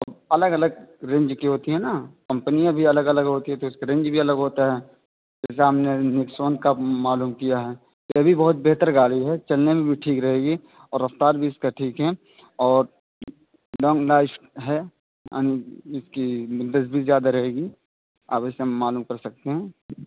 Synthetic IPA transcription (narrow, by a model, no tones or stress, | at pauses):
ɐbɐləɡɐləɡɾẽːɲd͡ʒkiɦoːt̪iɦɛnakɐ̃mpənijãbʱiɐləɡɐləɡɦoːt̪iɦɛ̃t̪oɪskaɾẽːɲd͡ʒbʱiɐləɡɦoːt̪aɦɛː | d͡ʒɛːs̬aɦɐmnenɪksoːnkamaːluːmkijaɦɛː | t̪oɐbʱibɐɦʊt̪̚beɦt̪əɾɡaːliɦɛt͡ʃɐlnemẽbʱiʈʰiːkɾɐɦeːɡi | ɔːɾːɐft̪aːɾbʱiɪskaʈʰiːkɦɛ | ɔːɾ | lɔ̃ːŋɡlaːɪʃʈɦɛ | ja̰ːniɪskid̪əsbʱizjaːd̪aɾɐɦeːɡi | a̰ːpɪsemaːluːmkɐɾsɐk̚t̪eɦɛ̃ː